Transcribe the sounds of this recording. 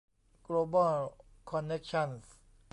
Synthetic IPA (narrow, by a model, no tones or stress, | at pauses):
ɡ̥lobalkʰɔnɛkʃɔ̃ns